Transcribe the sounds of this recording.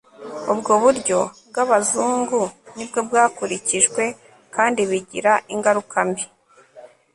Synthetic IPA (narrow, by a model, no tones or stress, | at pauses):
ubɡoβuɾɟo̞b̚ɡaβazuːŋɡunibɡo̞bɡaːkuɾiciʒɡwe̞ | kaːndiβiɟiɾaʔiŋɡaɾukambi